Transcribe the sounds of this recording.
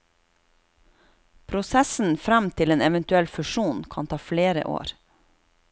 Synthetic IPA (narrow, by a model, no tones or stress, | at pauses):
pʰɾʊsæsn̩fɾɛmt̪ʰɪleːnɛʋənt̪ʉɛlfʉʃuːnkʰɑnt̪ʰɑːfleːɾə̰ʔo̰ːɾ